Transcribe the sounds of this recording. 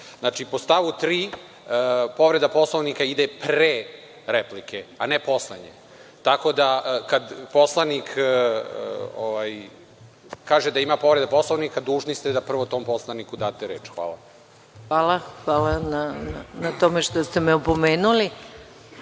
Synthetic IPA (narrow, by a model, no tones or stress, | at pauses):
znaːt͡ʃipost̪aʋut̪ɾiː | əpo̞ʋɾe̞d̪apo̞slˠoʋnikaid̪epɾe | ɾeplikeanepo̞slˠeɲḛ | t̪akod̪akad̪poslˠanikː | oʋaj | kaːʒed̪aimapo̞ʋɾe̞d̪apo̞slˠoʋnikad̪uːʒnist̪ed̪apr̩ʋot̪o̞ːmpo̞slˠanikud̪aːt̪eɾeːt͡ʃxʋa̰ːlˠa̰ | xʋaːlaxʋaːlanananat̪omeʂt̪ost̪emeopomeːnuli